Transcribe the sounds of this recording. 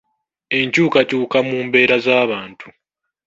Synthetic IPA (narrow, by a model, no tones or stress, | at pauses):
e̞ɲcuːkacuːkamuːmbe̞ːɾazaːβaːntʰu